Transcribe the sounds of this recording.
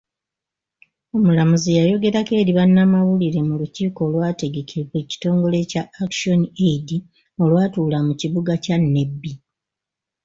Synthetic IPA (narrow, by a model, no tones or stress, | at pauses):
o̞mulamuzijajo̞ɡe̞ɾake̞ːɾiβanːamawuliɾe̞muluciːko̞ːlwaːte̞ɡe̞cʰiweci̥to̞ːŋɡo̞le̞caːkʃo̞nieidi | o̞lwaːtuːlamuciβuɡacanːe̞bːi